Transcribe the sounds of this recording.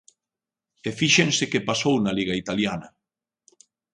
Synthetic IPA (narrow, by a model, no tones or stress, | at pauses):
efiʃensekepasownaliɣait̪aljanɐ